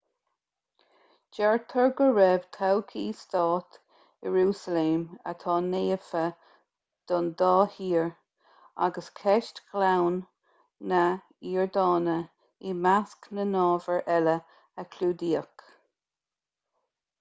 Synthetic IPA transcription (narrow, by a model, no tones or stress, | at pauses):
d͡ʒɛɹt̪ʰəɹɡəɹɛb̥t̪ʰawkʰiːst̪ɑːt̪ | əɹuːsəleːmə̰t̪ʰɑːneːəfə | d̪̥ɔnd̪ɑːhiːɹ | a̰ɡəskʰɛʃtklawnː | ə | iːɹd̪ɑːnə | imasknənɑːvəɹʔɛlə | əkʰluːd̪iːək